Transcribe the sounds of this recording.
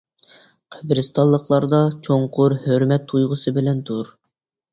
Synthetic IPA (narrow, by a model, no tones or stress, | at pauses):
qʰəbɾɪst̪ʰɑlˠːəχlˠɑɾd̪ɑt͡ʃʰoŋqʰʊɾhøɾmɛt̪ʰːujʁʊsɨbɪlɛnt̪ʰuɾ